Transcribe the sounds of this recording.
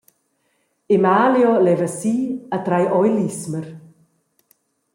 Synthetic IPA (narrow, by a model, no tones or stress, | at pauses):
ɪmaːljɔlɛvəsiːat̪ɾajʔɔjlisməɾ